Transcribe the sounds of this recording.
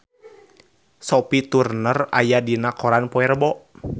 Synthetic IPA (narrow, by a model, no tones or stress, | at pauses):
sɔpit̪urnəra̰jadinakɔɾanpɔɛrbɔʔ